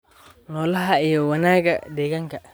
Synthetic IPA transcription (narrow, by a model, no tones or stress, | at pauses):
nɔːlɐɦɐijɔwɐnaːɣɐd̪ɛːɣaːŋkʰɐ